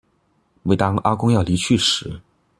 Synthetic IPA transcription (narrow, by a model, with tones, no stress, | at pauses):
we˥˩ɪt̪ɑ˥ŋa˥kʊ˥ŋjɑ˥˩ʊli˧˥t͡ɕʰy˥˩ʂɻ̩˧˥